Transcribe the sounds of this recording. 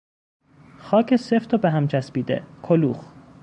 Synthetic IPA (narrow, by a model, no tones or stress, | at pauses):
xɒːcʰeseft̪ʰobeɦæmt͡ʃʰæspiːd̪ḛkʰoluːx